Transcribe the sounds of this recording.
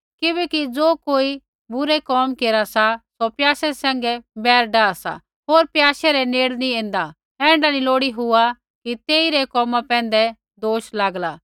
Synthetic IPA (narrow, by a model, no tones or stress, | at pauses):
kɪbɛkid͡zoːkoːi | bʊɾɛkɔːmkeːɾasasopjaːʃɛsɛ̃ːŋɡɛbɛːɾɖaːasa̰ | ɦoːɾpjaːʃɛɾɛneːɽniẽːnd̪a | ɛ̃ːɳɖaniloːɽiɦʊa | kit̪eːiɾɛkɔːmãpɛ̃ːn̆d̪ɛ | d̪oːʃlaːɡlaː